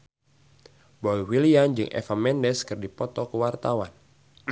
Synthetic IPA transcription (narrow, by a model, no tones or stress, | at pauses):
bɔiwiliand͡ʒɨŋʔɛ̰famɛndɛskɨrdipɔt̪ɔkəwart̪awan